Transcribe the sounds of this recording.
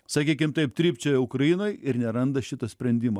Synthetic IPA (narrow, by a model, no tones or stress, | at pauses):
sɐkʲiːkʲɪmt̪ɐɪp̚t̪ʲɾʲiːpʲt͡ʃʲɛjɛʊkɾɐjɪnoːjɪɾnʲɛɾɐnd̪ɐʃʲɪt̪ɐsʲpʲɾʲɛnʲd̪ʲɪmɐː